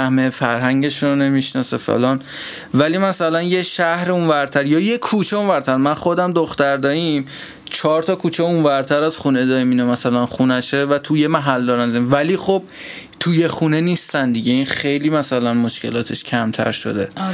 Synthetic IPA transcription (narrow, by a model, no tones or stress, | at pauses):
hmefæɾɦæŋɟeʃɾone̞miʃnɒːsḛfḛlɒːn | væliːmæsælænje̞ʃæhɾeũnvæɾt̪ʰæɾjɒːjekʰːut͡ʃʰeũnvæɾt̪ʰæɾmænχo̞d̪æmd̪oxt̪æɾd̪ɒːim | t͡ʃʰɒːɾt̪ʰɒːkʰuːt͡ʃʰeũnvæɾt̪ʰæɾæz̥xune̞d̪ɒːɾiminemæsælænxunæʃevæt̪ʰujemæɦæld̪ɒːɾænd̪ɒɾimvæliːxob̥̚ | t̪ʰuje̞xune̞niːst̪ænd̪iɟeinxe̞jliːmæsælænmoʃce̞̰lɒːt̪ʰe̞ʃcʰæmt̪ʰæ̰ɾʃo̞̰d̪e̞